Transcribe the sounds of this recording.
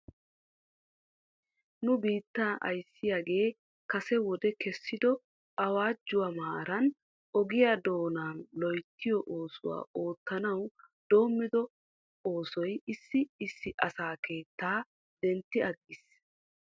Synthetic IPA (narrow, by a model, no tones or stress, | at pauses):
nʊbiːt̪ːaʔɐ̰jsːɪjaːɡe̞ː | kɐsɛwɔd̪ɛkɛsːɪd̪ɔ | ʔɐwaːd͡ʒːʊwamaːɾɐn | ʔɔɡɪjad̪o̞ːnaːnlɔjt̪ːɪjɔʔo̞ːsʊwa̰ːo̞ːt̪ːɐnɐw | d̪̥o̞ːmːɪd̪ɔ | o̞ːsɔjɪsːɪɪsːɪʔɐsaːke̞ːt̪ːaː | d̪̥ɛnt̪ːɪɐɡːɪs